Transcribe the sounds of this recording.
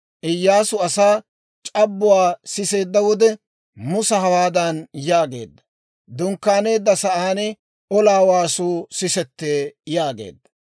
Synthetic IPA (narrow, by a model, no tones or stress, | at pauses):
ʔɪjːaːsʊɐsaː | t͡ʃʼɐbːʊwaːsɪse̞ːd̪ːɐwɔd̪ɛ | mʊsɐɦɐwaːd̪ɐnjaːɡe̞̰ːd̪ːɐ | d̪ʊŋkːaːne̞ːd̪ːɐsɐʔaːnɛ | ʔɔlaːwaːsuːsɪsɛt̪ːeːjaːɡḛːd̪ːɐ̥